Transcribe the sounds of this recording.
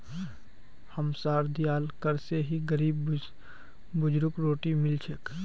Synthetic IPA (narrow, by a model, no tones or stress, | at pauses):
həmsaːɾd̪ijaːlkəɾseɦiɡəɾiːb | bʊd͡ʒɾʊkɾoːʈimɪlt͡ʃʰək